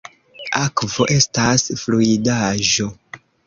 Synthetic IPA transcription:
akvo̞ʔe̞stasfluidaʒo̞

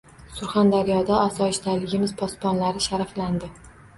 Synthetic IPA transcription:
sʊɾχand̪aɾijɒd̪aːsɒɪʃt̪ʰalɪɡʲɪmɪz̥pʰɒspɒnlaɾɪʃaɾafland̪ɪ

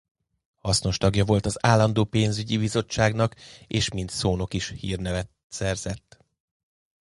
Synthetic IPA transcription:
hɒsno̞ʃt̪ɒɡjɒvo̞lt̪ɒzaːlːɒnd̪oːpeːnzyɟibizo̞t͡ʃːaːɡnɒkeːʃmint̪soːno̞kiʃhḭːrnɛvɛt̪ | sɛrz̥ɛt̪ː

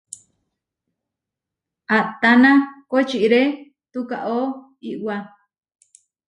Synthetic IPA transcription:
at̪anakot͡ʃiʔɾe | t̪uka̰ʔo | iʔwa

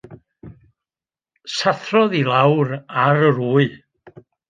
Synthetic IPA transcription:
saθrɔðilˠawɾaɾəɾuːɨ

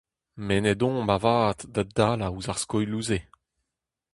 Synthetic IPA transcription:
mened̪ɔ̃bavaːtdad̪aːlauzaʁskɔjluze

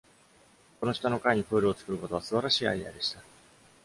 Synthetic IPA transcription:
ko̞no̞ɕt̪ano̞kaiɲ̟iɸɯ̟ːɾɯ̟ot͡sɨ̥kɯ̟ɾɯ̟ko̞t̪o̞βasɨbaɾaɕiːa̰ia̰d̪e̞ɕi̥t̪a

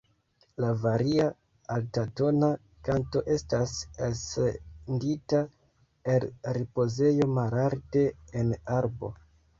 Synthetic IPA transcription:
lavaɾia | altato̞na | kanto̞ʔe̞stasasendita | elɾipo̞ze̞jo̞malalte̞ːnaɾbo̞̰

